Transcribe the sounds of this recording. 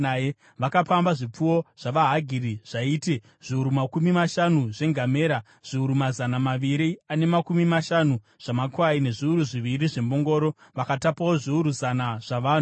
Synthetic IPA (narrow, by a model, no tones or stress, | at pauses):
aje | ʋakapambaʐip͡fuwo̞ʐ̥aʋaɦaɡʱiriʐ̥aiːte | ʐ̥iuɾumakumimaʃanuʐe̞ŋɡʱame̞ːɾa | ʐ̥iuɾumazanamaʋiɾiane̞makumimaʃanu | ʐ̥amakwaine̞ʐiuɾuʐiʋiriʐe̞mbo̞ŋɡo̞ːɾo̞ʋakatapawo̞ʐiuɾuzanaʐ̥aʋaːn